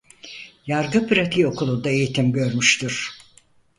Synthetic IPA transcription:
jaɾɡɯpyɾat̪ʰijo̞kulˠund̪aejit̪ʰimɟøɾmyʃt̪ʰyɾ̥

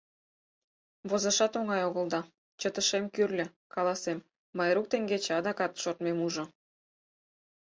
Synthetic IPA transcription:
βozɑʃɑt̪oŋɑjoɣə̆ld̪ɑ | t͡ɕət̪əʃemkyrlʲə̆ | kɑlɑsemː | ɑjɾuk̚t̪eŋɡet͡ɕɑd̪ɑkɑt̪ʃort̪memuʒŏ

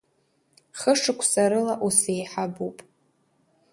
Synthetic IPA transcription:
χəʂɨkʷʰsaɾɨlaʔusejħabupʼ

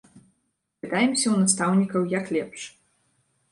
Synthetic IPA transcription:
ɛt̪ajɛmsʲɐwnast̪awnʲikɐwjaklʲɛpʂ

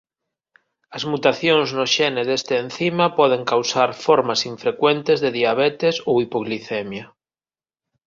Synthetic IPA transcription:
azmut̪aθjõŋznoʃeneðest̪eːn̟θimapɔð̞eŋkawsaɾfoɾmasiɱfɾekwent̪ezðeðiaβ̞et̪esoipoɣliθemja

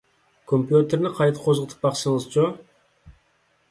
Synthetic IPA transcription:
kʰompjut̪eɾnɪqʰɑjt̪ə̥qʰozʁət̪ʰə̥p̚bɑqsəɴəzt͡ʃo

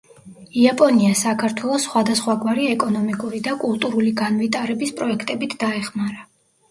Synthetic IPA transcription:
iapʼɔniasakʰaɾt̪ʰwɛlˠɔsχwad̪asχwaɡwaɾiɛkʼɔnɔmikʼuɾid̪akʼulˠt̪ʼuɾuliɡanvit̪ʼaɾɛbispʼɾɔɛkʰt̪ʼɛbit̪ʰd̪aɛχmaɾa

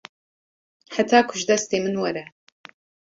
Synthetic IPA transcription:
ħatʰaːkʷʰʊʒdɐstʰeːmɨnwɐɾɐ

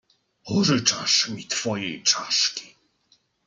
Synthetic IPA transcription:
pɔʐɘt͡ʂaʂmʲit̪fɔjɛjt͡ʂaʂkʲi̥

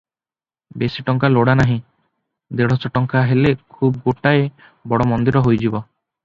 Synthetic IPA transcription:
besiʈɔŋkaloɽanaɦĩ | d̪eɽ̤ɔsɔʈɔŋkaɦelekʰub̚ɡoʈae | bɔɽɔmɔnd̪iɾɔɦojd͡ʒibɔ

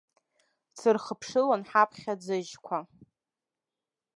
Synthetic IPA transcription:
t͡sʰɨrχəpʰʂɨlanħapʰχʲad͡zɨʒkʷʰa

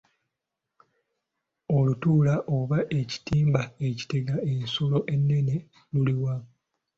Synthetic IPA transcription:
olutuːlaʔoβaʔe̞ci̥tiːmbae̞ci̥teɡae̞nsulo̞ʔe̞nːe̞ne̞ | luliwa

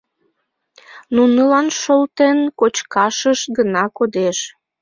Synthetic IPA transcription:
nunəlɑnʃolt̪enkot͡ɕkɑʃəʃɡənɑkod̪eʃ

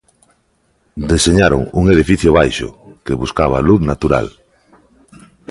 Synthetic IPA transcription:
d̪eseɲaɾo̰ŋṵŋeðifiθjoβajʃʊ̰keβuskaβ̞aluðθnat̪uɾa̰l

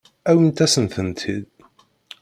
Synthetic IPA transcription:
æwint̪æsənθənt̪ʰid̪

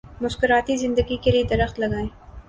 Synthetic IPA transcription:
mʊskɪɾɑːt̪izɪnd̪aɡikeɾid̪aɾaxt̪laɡaj

